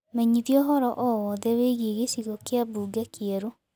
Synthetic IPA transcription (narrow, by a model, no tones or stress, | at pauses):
mɛɲiðiɔɦɔɾɔʔɔwɔðɛweɣeɣesiɣɔkeabuːɡakɛɾo